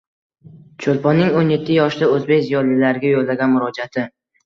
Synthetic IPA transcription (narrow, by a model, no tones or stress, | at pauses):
t͡ʃʰolˠpɒnːɪŋonje̞t̪ʰːɪjɒʃd̪aɵzbe̞kʲzijɒlilaɾɪɡʲajolːaɡʲanmʊɾɒd͡ʒat̪ʰɪ